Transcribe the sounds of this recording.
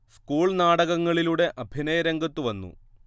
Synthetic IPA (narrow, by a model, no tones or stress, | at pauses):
skuːɭnaːɽɐɣɐŋːɐɭiluɽe̞ʔɐbʱinɐjɐɾɐŋɡɐt̪ːuʋɐnːṵ